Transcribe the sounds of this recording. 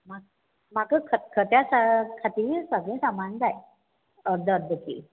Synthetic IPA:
mak̚ | makəkʰət̪kʰət̪jasakʰat̪iːsəɡɭẽːsamand͡z̪aj | əɾd̪ʱəɾd̪ʱəkḭː

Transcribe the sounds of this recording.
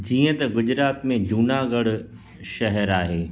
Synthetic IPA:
d͡ʑiːə̃t̪ɐɡʊd͡ʑɾaːt̪mẽd͡ʑuːnaɡɐɽ | ʃɐɦɛɾaːɦeː

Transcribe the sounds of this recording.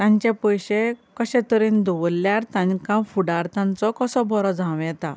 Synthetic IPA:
t̪ãɲt͡ɕãpəjɕekəɕɛ̃t̪əɾiːnd̪uʋlːjaɾt̪ãɲkãfuɽaɾt̪ãnt͡sɔkɔsɔ̃bʱɔɾɔd͡zãʋjɛ̃t̪a̰

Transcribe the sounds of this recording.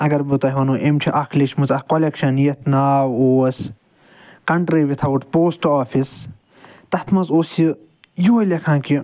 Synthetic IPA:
ɐɡɐɾbut̪ɐɦiʋɐnuʔemt͡ʃʰiʔɐkʰliʃmuzɐhkolekʃɐnjɐt̪ʰnaːwoːɐs | kɐɳʈɾiʋit̪ʰɐuʈpoːsʈaːfʰis | t̪ɐt̪ʰmɐzoːsi | juːlɐkʰãːki

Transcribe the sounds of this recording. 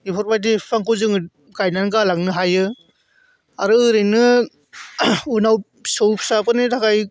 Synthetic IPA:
ipʰɔɾbajtipʰaŋkɯzɯŋ | ɡajnanɡalaŋnɯɦajɯ | aɾɯɯɾɯjnɯ | unaw | sowpsapʰɯnitakaj

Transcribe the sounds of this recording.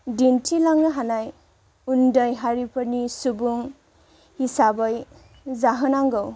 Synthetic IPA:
dintʰilaŋɯɦanaj | undəjɦaɾipʰəɾnisubuŋ | hisabʌj | zaɦɯnaŋɡɔw

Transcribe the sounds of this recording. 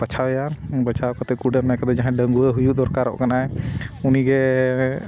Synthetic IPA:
bət͡ʃʰawjaɾbət͡ʃʰawkɔt̪ɛkuɖɛmɛkɛd̪ɛd͡ʒãɦɛ̃ɖəŋɡuɛɦujud̪ɔɾkaɾɔ̰ʔkanaɛuniɡɛ

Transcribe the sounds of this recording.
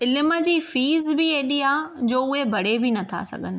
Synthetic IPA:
ɪlɪməd͡ʑiːfiːzbieːɗiaːd͡ʑoːʊɦebʱɐɽebɪnɐt̪ʰa̰sɐ̰ɡʱənɪ̆

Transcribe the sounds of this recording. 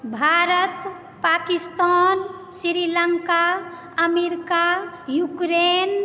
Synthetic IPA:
bʱaɾət̪ | pakist̪an | siɾiləŋka | əmeɾika | jukɾen

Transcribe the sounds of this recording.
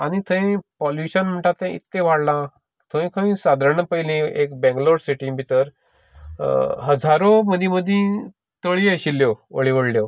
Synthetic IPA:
añit̪ʰə̃ẽpɔljuɕənm̤əɳʈat̪ːẽḭt̪ːẽʋ̤aɽlã | t̪ʰə̃ẽkʰãĩːsad̪ɾɳəpəjlĩekbɛ̃ŋɡloɽsiʈĩbʱit̪əɾ | ɦəd͡zaɾoməd̪ʱĩməd̪ʱĩ | t̪əɭiaɕilːjoə̰ɭiʋəɽljo

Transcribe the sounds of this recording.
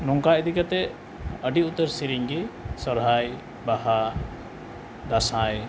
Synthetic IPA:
nɔŋkaʔd̪ikat̪ɛ | əɖiut̪əɾsiɾiŋɡɛsɔɾɦaj | baha | d̪asaj

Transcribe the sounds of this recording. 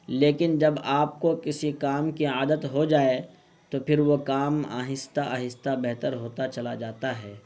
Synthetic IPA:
leːkɪnd͡ʒɐbaːp̚kokɪsikaːmkiaːd̪ət̪ɦod͡ʒaːe | t̪opʰɪɾwokaːma̰ːɦɪst̪aʔaːɦɪst̪abɛɦt̪əɾɦoːt̪at͡ʃɐlad͡ʒaːt̪aɦɛː

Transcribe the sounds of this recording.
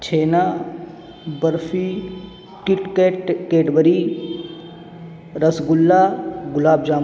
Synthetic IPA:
t͡ʃʰeːna | bəɾfʰi | kɪʈkeːʈkeːʈbəɾi | ɾɐsɡʊlːaɡʊlaːbd͡ʒaːm

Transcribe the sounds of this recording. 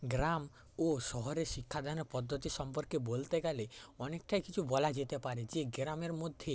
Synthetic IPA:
ɡɾam | oʃɔɦɔɾeɾʃikʰːad̪ʱanɔpɔd̪ʱːɔt̪iʃɔmpɔɾkebolt̪eɡɛleɔnekʈajkit͡ʃʰubɔlad͡ʒet̪epaɾed͡ʒeɡɾameɾmod̪ʱje

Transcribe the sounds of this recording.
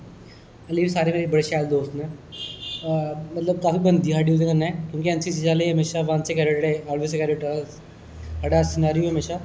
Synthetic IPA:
ɐliːʋsaːɾemeːɾibɐɽeʃaːjld̪oːst̪naː | mɐt̪ləb̚kaːfibɐ̃nd̪iɦaːɖijuːzẽkɐɾnaɦɛ̃kjõːkiɐ̃nsisid͡ʒaːleɦɐmeːʃaʋansekɛːɖeʈʈeaːlʋesekɛːɖeʈː | ɦɐɖasɪnaːɾijoɦɐmeːʃa

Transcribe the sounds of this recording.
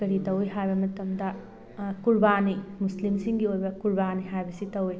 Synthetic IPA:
ɐɾitɐwjɦajbɐmɐtɐmdɐ | kuɾbanimuslimsiŋɡiojbɐkuɾbaniɦajbɐsitɐwj

